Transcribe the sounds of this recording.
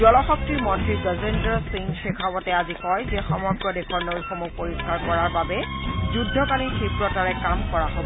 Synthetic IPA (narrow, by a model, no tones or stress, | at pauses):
ɔlɔxɔk̚tiɹmɔntɹizɔzendɔsiŋxekʰawɔtɛazikɔjzɛxɔmɔɡɹɔdekʰɔɹnowxɔmupoɹiskaɹkɔɹaɹbabɛ | zudʱːɔkalixepɹɔtaɹɛkamkɔɹaɦob